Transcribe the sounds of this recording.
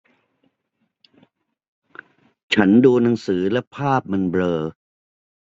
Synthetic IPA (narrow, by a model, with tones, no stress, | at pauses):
t͡ɕʰa˦˥nduː˧na˩˦ŋsɯː˩˦lɛ˦˥pʰaː˥˩p̚ma˧nblɤː˧